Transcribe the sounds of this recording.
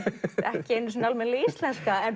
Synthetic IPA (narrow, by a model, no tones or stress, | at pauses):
ɛhcɪejnʏs̬nalmɛnlɪist̪lɛnskaɛn